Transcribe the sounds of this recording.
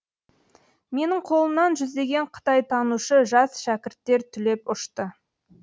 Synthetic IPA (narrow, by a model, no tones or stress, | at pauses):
me̞nɪɴqʰo̞lˠəmnɑnʒʏzd̪e̞ɡʲe̞ɴqʰə̥t̪ɑjt̪ʰɑnuʃəʒɑsʃækʲɪɾt̪ːe̞ɾt̪ʰʏle̞pʊʃt̪ə